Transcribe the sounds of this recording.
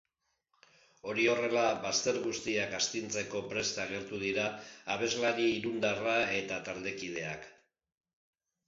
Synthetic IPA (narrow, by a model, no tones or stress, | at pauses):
o̞ɾio̞re̞laβast̪e̞ɾɣust̪iakast̪int͡se̞ko̞pɾe̞st̪aɣ̞e̞ɾt̪uð̞iɾaːβ̞e̞zlaɾiːɾund̪arae̞t̪at̪ald̪e̞kið̞e̞a̰k